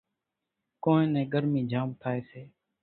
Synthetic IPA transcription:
kõːnẽːnɛ̃ːɡəɾmĩːd͡ʒaːmt̪ʰaːeːseː

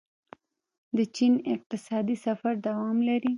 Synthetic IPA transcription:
d̪ət͡ʃinɪq̚t̪ɪsɑd̪isafaɾd̪awɑmlaɾi

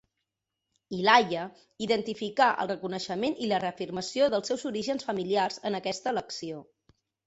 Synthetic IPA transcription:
ilajə | iðənt̪ifikaʔə̰lˠrəkunəʃəmenilərəəfirməsioðəlˠsɛwzuɾiʒənsfəmiliarzənəkɛst̪ələksio

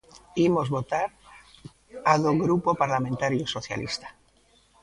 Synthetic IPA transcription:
imozβot̪aɾ | aðoɣɾupopaɾlament̪aɾjosoθja̰lḭst̪ḁ

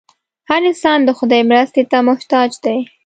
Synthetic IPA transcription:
haɾɪnsɑnd̪əxʊd̪ɑjemɾast̪et̪amʊht̪ɑd͡ʒd̪aj

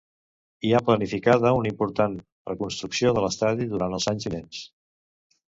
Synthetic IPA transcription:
iaplənifikaðəunəimpuɾt̪an | rəkunst̪ɾuksioðələst̪aðiðuɾanəlˠzaɲzinens

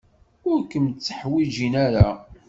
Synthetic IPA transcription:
ʊɾkəmt͡sːə̥ħwid͡ʒinæɾa

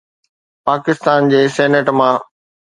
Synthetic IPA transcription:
paːkɪst̪aːnd͡ʑeːsɛːnəʈmã

